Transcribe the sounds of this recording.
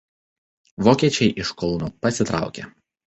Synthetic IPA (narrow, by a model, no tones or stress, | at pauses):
ʋoːkʲiɛt͡ʃʲɛɪʔɪʃkɔlˠnuːpɐsʲɪt̪ɾɑ̰ˑʊkʲḛ